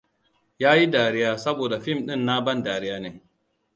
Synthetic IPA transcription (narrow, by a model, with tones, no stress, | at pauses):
jaː˦ji˦daː˨ɾɪ˦jaː˨sɐ˦boː˨da˨ɸɪ˦˨mɗɪ˦nːa˦bɐ˦ndaː˨ɽɪ˦jaː˦neː˨